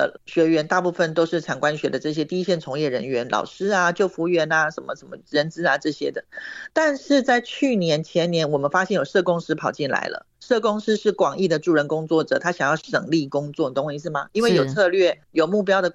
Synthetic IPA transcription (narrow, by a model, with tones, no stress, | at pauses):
ə˩ɕɥɛ˧˥ɥɛ˧˥nt̪a˥˧pu˥˩fə˨nt̪o˥ʊʂɻ̩˥˩ʈ͡ʂʰɑ˨˩ŋkwa˦˥nɕɥɛ˧˥d̪ə˨ʈ͡ʂɤ˥˩ɕ̬jɛ˥t̪i˥˧i˧˥ɕjɛ˥˩nt͡sʰʊ˧˥ŋjɛ˥˩ɻə˧˥nɥɛ˧˥nlʔɑ̰˨˩ʊʂɻ̩˥a˧t͡ɕjo˥˩ʊfu˧˥ɥɛ˧˥na˧ʂə˧˥nmə˦ʂə˨˩mə˧˦ɻə˧˥nt͡sɹ̩˥a˨˧ʈ͡ʂɤ˥˩ɕjɛ̰˥d̪ə˨t̪a˥˧nʂɻ̩˥˧t͡sa˥˧ɪt͡ɕʰy˥˩njɛ˧˥nt͡ɕʰjɛ˧˥nnjɛ˧˥nwɔ˨˩mə˨˦nfa˥ɕjɛ˥˩njo˨˩ʊʂɤ˥˩kʊ˥ŋʂɹ̩˥pʰɑ˨˩ʊt͡ɕi˥˩nla̰˧˥ɪlʔə̰˧˦ʂɤ˥˩kʊ˥ŋʂɻ̩˥ʂɻ̩˥˩kwɑ˨˩ŋi˥˩d̪ə˩ʈ͡ʂu˥˩ɻə˧˥nkʊ˥ŋt͡swɔ˥˩ʈ͡ʂɤ˨˩t̪ʰa˥ɕjɑ˨˩ŋjɑ˥˩ʊʂə̰˨˩ŋli˥˩kʊ˥ŋt͡swɔ˥˩də˨t̪o˥ŋɕi˧˥ʂ̬ɻ̩˥˩ma˨˩i˥nwe˥˩ɪjo˨˩ʊt͡sʰɤ˥˧lɥɛ˥˩jo˨˩ʊmu˥˩pjɑ˥ʊd̪ə˨